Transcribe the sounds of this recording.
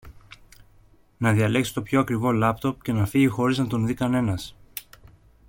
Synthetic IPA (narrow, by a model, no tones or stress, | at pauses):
nɐðiɐle̞ksi̥t̪o̞pço̞ɐkɾivo̞lɐpt̪o̞pce̞nɐfiʝixo̞ɾiznɐt̪o̞nðikɐne̞nɐs